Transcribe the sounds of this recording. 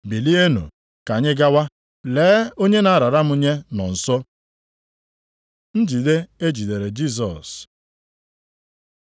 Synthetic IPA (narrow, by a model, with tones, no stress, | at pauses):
bi˨li˦e˦nṵ˨ | ka˨ɲɪ˦ɡa˦wa˦ | leː˨˦o˦ɲe˦na˨a˦ɾa˨ɾa˦mʊ˦ɲe˦nɔ˨n̩˨sɔ˦ | n̩˦d͡ʒi˨de˦e˦d͡ʒi˨de˨ɾe˨d͡ʒi˦˨s̬ɔ̰˨s